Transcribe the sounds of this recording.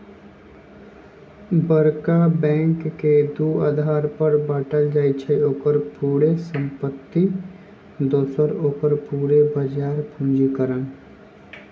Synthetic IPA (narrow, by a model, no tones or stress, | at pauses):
bəɾkabɛ̃ːŋkːed̪uːa̰ːd̪ʱaːɾpəɾbaːʈəld͡ʒaːit͡ʃʰeoːkəɾpuːɽesə̃mpət̪ːi | d̪oːsəɾoːkəɾpuːɽebəd͡ʒaːɾpʰũːd͡ʒikəɾən